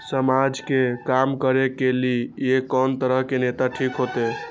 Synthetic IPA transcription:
səmad͡ʒkekamkəɾekeliekɔnt̪əɾəɦkenet̪aʈʰikɦot̪e

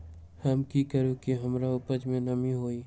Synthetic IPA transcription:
hɐmkikəɾũkiɦɐmɾaʊpəd͡ʒmẽnɐmiɦoːi

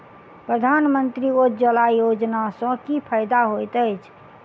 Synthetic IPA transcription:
pɾəd̪ʱanmənt̪ɾiod͡ʒəlajod͡ʒnasə̃kipʰajd̪aɦojt̪əjt͡ʃʰ

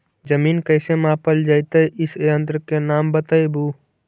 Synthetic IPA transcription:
d͡ʒəmiːnkəɪsemãːpəld͡ʒaːɪt̪əʔɪseə̃nt̪ɾəkenaːmbət̪əibuː

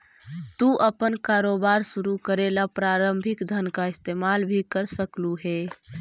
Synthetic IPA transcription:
t̪uʔəpənkaɾobaɾsuɾukəɾelapɾaɾəmbʱikd̪ʱənkaɪst̪emalbʱikəɾsəkluɦe

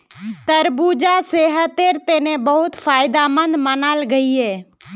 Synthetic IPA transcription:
t̪əɾbuːd͡ʒaːseːɦət̪eːɾt̪eːnẽbəɦʊt̪fʰaːɪd̪aːmə̃nd̪mənaːlɡəiɦɛː

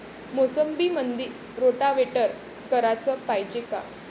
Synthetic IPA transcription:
mosəmbiːmənd̪iɾ | ɾoʈaʋeʈəɾ | kəɾat͡səpajd͡ʑeka̰

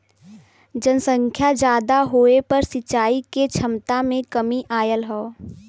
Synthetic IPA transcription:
d͡ʒənsə̃ŋkʰjad͡ʒjaːd̪aɦoːepɐɾsɪt͡ʃaːiket͡ʃʰɐmt̪amẽkəmiʔaːjəlɦoː

